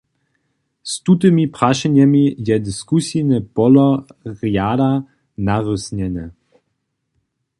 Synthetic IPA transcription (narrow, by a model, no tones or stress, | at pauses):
st̪ut̪ɨmipʁaʃɛɲɛmijɛdiskusinɛpɔlɔʁjada | naʁusɲɛnɛ